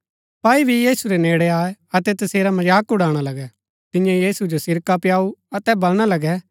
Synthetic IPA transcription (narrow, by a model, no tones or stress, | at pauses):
paːibʱijiːsuɾeneːɽɛaːeɐt̪ɛt̪ɐseːɾamɐd͡ʒaːkʊɽaːɽ̃alɐɡɛ | t̪ɪjãjiːsud͡ʒosɪɾkapjaːuɐt̪ɛbɐlɽ̃alɐɡɛː